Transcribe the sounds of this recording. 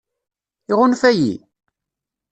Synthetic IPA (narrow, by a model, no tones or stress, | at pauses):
iʁʊnfæjḭ